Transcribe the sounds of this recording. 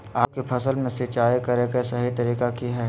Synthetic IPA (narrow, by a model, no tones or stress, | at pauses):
aːp̚kepʰɐsəlmẽsɪt͡ʃaːekɐɾekasɐɦit̪ɐɾiːkakiɦɛː